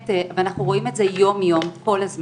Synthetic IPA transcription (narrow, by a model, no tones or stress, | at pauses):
teveanaχnuʁo̞imetze̞jo̞mjo̞mko̞lhazm